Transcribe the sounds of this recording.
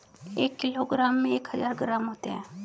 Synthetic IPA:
eːkːɪloɡɾaːmːẽeːkɦəzaːɾɡɾaːmɦoːt̪eɦɛ̃ː

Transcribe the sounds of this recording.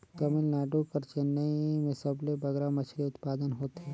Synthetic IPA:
t̪ɐmɪlnaːɖukɐɾt͡ʃɪnːəimẽsɐblebɐɡɾamɐt͡ʃʰleʊt̪paːd̪ənɦoːt̪ɦɛ

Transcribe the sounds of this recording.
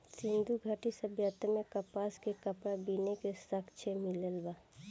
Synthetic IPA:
sɪ̃nd̪ʱuɡʱaʈisəbjət̪əmẽkɐpaːskekɐpɽabiːnekesɐkt͡ʃʰemɪləlbaː

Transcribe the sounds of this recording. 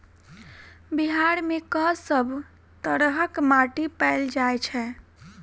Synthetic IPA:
biɦaɾmekəsəbʱ | t̪əɾɦəkmaʈipɛɪld͡ʒaet͡ʃʰɛ

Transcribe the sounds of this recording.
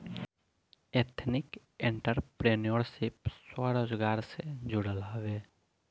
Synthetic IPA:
et̪ʰnɪk | ẽɳʈəɾpɾenioɾsipswaɾoːd͡ʒɡaːɾsed͡ʒuɽəlɦəʋe

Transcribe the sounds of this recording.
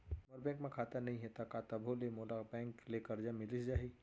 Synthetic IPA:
mɔɾbɛ̃ːŋkmẽkʰaːt̪anɐɦĩɦɛt̪akat̪ɐbʱolemoːlabɛ̃ːŋklekɐɾd͡ʒamɪlɪsd͡ʒaːɦi

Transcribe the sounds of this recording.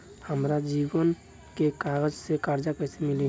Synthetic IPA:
həmɾad͡ʒiwən | kekaːɡəd͡ʒsekaɾd͡ʒakəɦsemɪli

